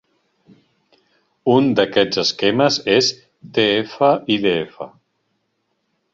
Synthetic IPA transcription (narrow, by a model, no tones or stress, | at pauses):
und̪əkɛd͡zzəskɛməzes | t̪eefəʔiðeefə̰